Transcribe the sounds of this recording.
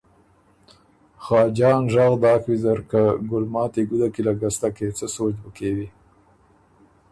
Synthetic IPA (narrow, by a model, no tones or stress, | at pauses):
xɑːd͡ʒɑnʒɑɣd̪ɑːkwizaɾkaɡʊlmɑːt̪eɡud̪akilaɡast̪aket͡səsot͡ʃbəkewi